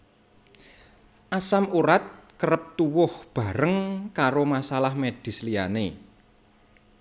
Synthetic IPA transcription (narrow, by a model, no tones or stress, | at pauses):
ʔasamuɾat̪̚kəɾəp̚t̪uwʊhb̥a̤ɾəŋkaɾomasalahmed̥i̤slia̰ne